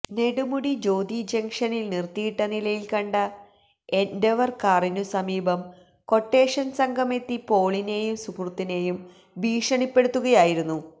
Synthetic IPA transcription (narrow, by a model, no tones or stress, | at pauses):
ne̞ɽumuɽid͡ʑo̞ːd̪id͡ʑeŋʂɐnilnirt̪ːijiʈːɐnilɐjilkɐɳɖɐ | e̞ndeʋɐrkarinusɐmiːbɐm | ko̞ʈːe̞ːʂɐnsɐŋɡʱɐme̞t̪ːipo̞ːɭine̞ːjumsukrut̪ːine̞ːjum | biːʂɐɳipːe̞ɽut̪ːuɣɐjaːjiɾunːu